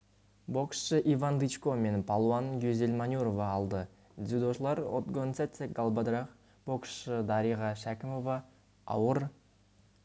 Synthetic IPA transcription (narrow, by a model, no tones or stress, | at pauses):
bo̞ksʃəʔivand̪it͡ʃkome̞npʰalˠoanɡʲøzʲelʲmanʲuɾovɑːlˠd̪ə | d̪zʲud̪oʃlˠɑɾo̰t̪ɡont̪set̪sʲeɡalˠbad̪ɾɑχ | b̥o̞ksʃəd̪ɑɾijʁɑʃækʲɪmo̞vɑ | ɑ̰wəɾ